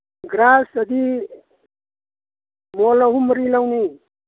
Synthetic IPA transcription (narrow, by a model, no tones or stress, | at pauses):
ɡɾasəd̪i | molɐɦumɾilawni